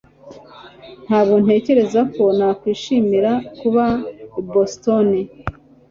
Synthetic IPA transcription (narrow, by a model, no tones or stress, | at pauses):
n̥haːbɡo̞n̥e̞ːce̞ɾe̞zako̞nakwiːʃiːmiɾakuβabostoni